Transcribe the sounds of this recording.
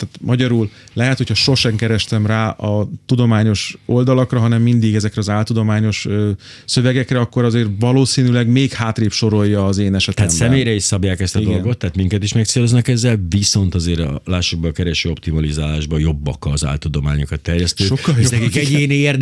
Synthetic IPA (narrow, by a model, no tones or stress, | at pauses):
t̪aːt̪mʔɒɟɒɾul | lɛɦɛt̪ho̞cʰhɒʃo̞ʃɛŋkɛɾɛʃt̪ɛmraːʔɒt̪ud̪o̞maːɲo̞ʃo̞ld̪ɒlɒkrɒɦɒnɛmːind̪iɡɛzɛkrɛɒzaːlt̪ud̪o̞maːɲo̞ʃøː | sø̞vɛɡɛkrɛɒkːo̞ɾɒzeːrvɒloːsiːnylɛɡmeːkhaːt̪reːpʃo̞ɾo̞jːɒːzeːnɛʃɛt̪ɛːt̪ːsɛmeːjɾɛiʃsɒbjaːkɛst̪ɔid̪olɡo̞t̪ːaːt̪miŋkɛt̪iʃmɛkt̪seːloznɒkɛzːɛlviso̞nt̪ɒzeːɾɒ̰laːʃːobɒkɛɾɛʃøːo̞pt̪imɒlizaːlaːʒbɒjo̞bːɒ̰kɒːza̰ːlt̪ud̪o̞ma̰ːɲokɒt̪ːɛrjɛst̪øʃːokːɒjokikɛɟeːnerd̪